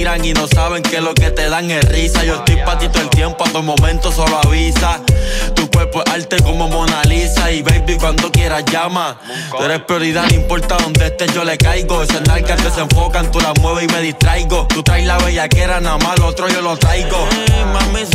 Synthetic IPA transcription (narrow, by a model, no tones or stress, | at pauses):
ɾaŋino̞saβe̞ŋkelo̞ket̪e̞ðaŋerisajoest̪ojpat̪it̪oelt̪je̞mpoat̪omõ̞mẽnt̪osoloaβisat̪ukweɾpoʔalt̪e̞ko̞momonalisaiβejbikwant̪okje̞ɾasʝama | t̪ueɾehpɾjo̞ɾiðaðimpo̞ɾt̪aðo̞nd̪eht̪eʝo̞le̞kajɡo̞esenalkald̪ese̞ɱfo̞kant̪ulamweβ̞eime̞ðist̪ɾajɣo̞t̪ut̪ɾajlaβeʎake̞ɾanamalot̪ɾoʝo̞lot̪ɾajɡo̞mami